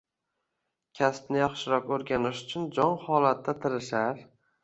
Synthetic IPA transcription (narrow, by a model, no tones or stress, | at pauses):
kʲʰaspnɪjɒχʃɪɾɒkɵɾɡʲanɪʃʊ̥t͡ʃʰʊnd͡ʒɒnhɒlˠat̪ːat̪ʰɪɾɪʃaɾ